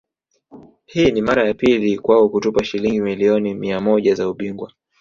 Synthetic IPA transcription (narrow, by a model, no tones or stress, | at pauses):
hiːnimaɾajapilikwaɔkutupaʃiliŋɡimiliɔnimiamɔʄazauɓiŋɡwa